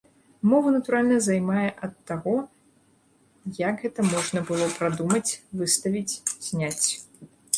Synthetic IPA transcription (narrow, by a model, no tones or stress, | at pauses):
mɔvɐnɐt̪uɾalʲnɐzajmajɛʔɐt̪ːaɣɔ | jakɣɛt̪ɐmɔʐnɐbɨlˠɔpɾad̪umɐt͡sʲvɨst̪ɐvʲit͡sʲz̥ʲnʲat͡sʲ